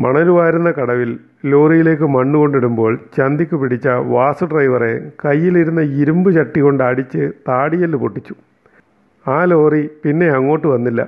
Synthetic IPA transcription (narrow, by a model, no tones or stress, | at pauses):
mɐɳɐɾuʋaːiɾunːɐkɐɽɐʋil | lo̞ːrijile̞ːk̬ːɨmɐɳːuko̞ɳɖiɽumbo̞ːɭt͡ɕɐnd̪ikʲːupiɽit͡ɕːɐʋaːsɨɖrɐjʋɐrḛkɐjːiliɾunːɐiɾumbɨt͡ɕɐʈːiɣo̞ɳɖaːɽit͡ɕːɨt̪aːɽijɐlːpoʈːit͡ɕːu̥ | aːlo̞ːripinːe̞ɐŋːo̞ːʈːɨʋɐnːilːɐ̰